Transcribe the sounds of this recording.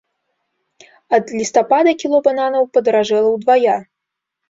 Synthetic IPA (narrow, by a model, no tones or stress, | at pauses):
ɐd̪lʲist̪apad̪ɐkʲilˠɔbananɐwpɐd̪ɐɾaʐɛlˠɐwd̪vaja